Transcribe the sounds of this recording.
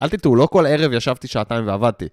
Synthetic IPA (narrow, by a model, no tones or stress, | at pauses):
ʔalt̪it̪ulo̞ko̞le̞ʁevjaʃavt̪iʃaat̪aimveavad̪̚t̪i